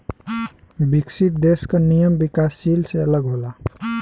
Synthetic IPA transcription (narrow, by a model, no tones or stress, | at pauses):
biksit̪̚d̪eskənijəmbikasːilseələɡɦola